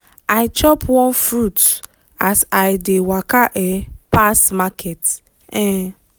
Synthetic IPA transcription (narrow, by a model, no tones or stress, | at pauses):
aɪt͡ʃɔpwɔ̃nfɾut | asaɪdewakaʔepasmakʰɛt | ɛ̃